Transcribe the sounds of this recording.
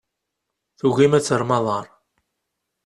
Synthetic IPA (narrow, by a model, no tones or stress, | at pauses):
θuʝimæt͡sːəɾˤmɑðˤɑɾˤ